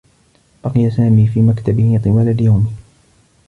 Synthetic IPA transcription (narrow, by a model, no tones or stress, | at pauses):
bɑqɪjasaːmiːfiːmakt̪abɪhɪt̪ˤɨwaːlad̪jawmɪ